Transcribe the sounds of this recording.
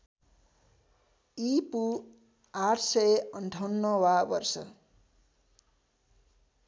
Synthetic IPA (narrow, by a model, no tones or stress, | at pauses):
ipu | aʈʰsʌjʌnʈʰawnːʌbabʌrsʌ̰